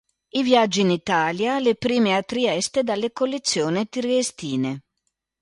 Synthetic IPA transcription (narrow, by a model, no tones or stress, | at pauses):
ivjad͡ʒːiːnit̪aːljalepɾiːmeat̪ːɾiɛst̪ed̪alːekolːet̪sːjoːnet̪irest̪iːne